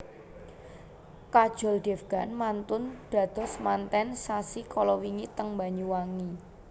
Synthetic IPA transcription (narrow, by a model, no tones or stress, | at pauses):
kad̥ʒ̥ɔ̤lɖ̪̥ɛfɡ̥a̤nmant̪ʊnd̪̥ä̤d̪̥ɔ̤smant̪ɛnsasikʰɔlɔwiŋit̪əŋmbaɲuwaŋi